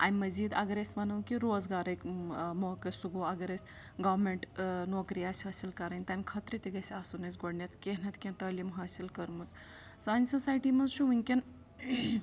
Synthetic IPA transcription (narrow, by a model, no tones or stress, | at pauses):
a̰nʲmɐziːd̪ɐ̰ɡɐɾesʲmɐnɐwkiɾoːzɡaːɾɐjkmoːkɐsuɡoɐɡɐɾesʲ | ɡɐːʋmeɳʈnoːkɾiasʲɦaːsilkɐɾɐnʲt̪ɐnʲkʰɐt̪ɾit̪iɡɐsʲaːsunɐsɡoɽnʲɐt̪kʲenɐt̪kʲent̪ɐːlimɦaːsilkɐɾmɐs | sɐnʲsosaːjʈimɐnzʃuʋuŋʲkʲen